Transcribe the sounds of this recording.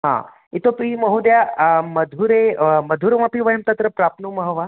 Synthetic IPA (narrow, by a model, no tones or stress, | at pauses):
ɦã̰ | it̪opɾimɐɦud̪jamɐd̪ʱuɾemɐd̪ʱuɾʋãpiʋɐjəmt̪ɐt̪ɾəpɾap̚numɐɦəʋa